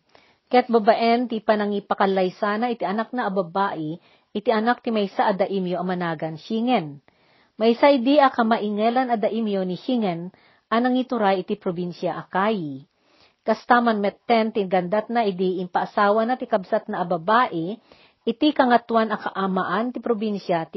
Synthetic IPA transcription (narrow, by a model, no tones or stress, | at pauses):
kɛt̪̚bɐbaʔɛnt̪ipɐnɐŋipɐkɐlajsaːnɐʔɪt̪iʔɐnak̚nɐʔɐbɐbaːʔɛ | ʔɪt̪iʔɐnak̚t̪ɪmɐjsaʔɐd̪ɐʔimjoʔɐmɐnaːɡɐnʃiŋɛn | mɐjsaʔɪd̪iʔɐkɐmaʔɪŋɛlɐnɐd̪ɐʔimjoniʃiŋɛn | ʔɐnɐŋit̪ʊɾajɪt̪ipɾobinʃjɐʔɐkaji | kɐst̪amɐnmɛt̪ːɛnt̪inɡɐnd̪at̪̚naʔɪd̪iʔɪmpɐʔɐsaːwɐnat̪ɪkɐbsat̪̚nɐʔɐbɐbaːʔɛ | ʔɪt̪ikɐŋɐt̪wanɐkɐʔamɐʔant̪ɪpɾobinʃjɐt̪